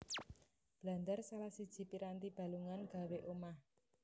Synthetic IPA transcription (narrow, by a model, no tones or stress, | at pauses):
b̥la̤nd̪arsalahsid̥ʒ̥i̤piɾant̪ib̥a̤luŋanɡ̥a̤weʔomah